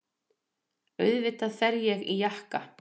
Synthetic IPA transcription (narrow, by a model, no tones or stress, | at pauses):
œɥðvɪt̪aðfɛɾjɛɣijahka